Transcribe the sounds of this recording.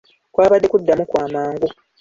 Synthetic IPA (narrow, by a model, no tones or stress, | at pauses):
kwaːβadːekudːamukwaːmaːŋɡo